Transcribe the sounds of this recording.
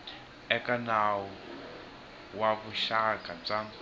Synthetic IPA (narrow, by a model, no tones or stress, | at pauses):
ɛkʼanawu | waβuʃakʼab͡ʐa